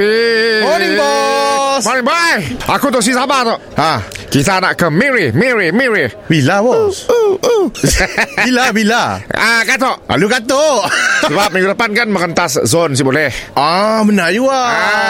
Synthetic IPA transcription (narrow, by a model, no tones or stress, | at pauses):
imɔnĩŋbɔsmɔnĩŋbajʔakut̪ɔʔs̬isabat̪ɔʔʔakit̪anaʔkəmɛɹimɛɹimɛɹi | bilawɔ | bilabilaakant̪ɔʔa̰lukat̪osəbap̚mə̃ŋɡudapankanməŋənt̪aszons̬ibolɛhamənad͡ʒuaa